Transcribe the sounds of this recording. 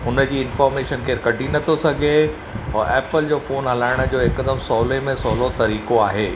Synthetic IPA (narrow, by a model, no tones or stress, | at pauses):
ʊnə̆d͡ʑiːɪnfɔːɾmeːʃənkeːɾkɐʈinɐt̪ʰosɐɡʱe | ɔːʔɛːpəld͡ʑoːfoːnɦɐlaːɪɽ̃̆d͡ʑoːɪkd̪əmsɔːlemẽsɔːlot̪ɐɾiːkoaːɦeː